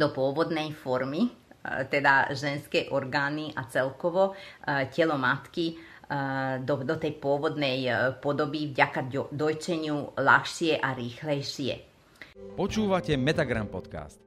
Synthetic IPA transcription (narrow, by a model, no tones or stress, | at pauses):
d̪ɔpʊɔʋɔd̪nɛjfɔɾmit̪ɛd̪aʒɛnskɛːʔɔɾɡaːniʔa̰t͡sɛlkɔʋɔcɛlɔmat̪ki | d̪ɔd̪ɔt̪ɛjpʊɔʋɔd̪nɛjpɔd̪ɔbivɟakad̪ɔjt͡ʃɛɲɪula̰xʃɪɛʔaɾiːxlɛjʃɪɛ̰ | pɔt͡ʃuːʋacɛmɛt̪aɡɾampɔt̪ka̰ːst̪